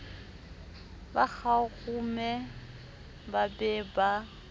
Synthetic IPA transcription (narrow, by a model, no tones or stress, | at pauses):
bak͡xʰaɣumɛ | babɛːba